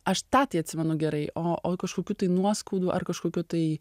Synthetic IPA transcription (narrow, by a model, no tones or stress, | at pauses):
ɐʃt̪ɑːt̪ʲiɪɐt̪ʲsʲɪmʲɛnʊɡʲɛɾɐɪʔoːoːkɐʃkoːkʲuːt̪ɐɪnuɔskoːd̪uːʔɐ̰rkɐʃkoːkʲuːt̪ɐɪ